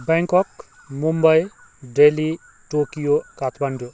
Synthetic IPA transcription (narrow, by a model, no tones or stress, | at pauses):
bãŋkɔk | mumbʌj | ɖeli | ʈokijokat̪ʰbaɳɖo